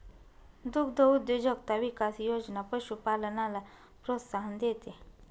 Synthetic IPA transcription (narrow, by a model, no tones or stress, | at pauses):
d̪ʊkʰd̪ʱəud̪jod͡ʒək̚t̪aʋikasijoːd͡ʒnapəʃupaːlənala | pɾoːt̪saɦənd̪eːt̪e